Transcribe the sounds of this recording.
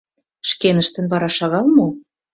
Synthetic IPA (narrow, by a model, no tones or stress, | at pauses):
ʃkenə̆ʃt̪ə̆nβɑɾɑʃɑɣɑlmo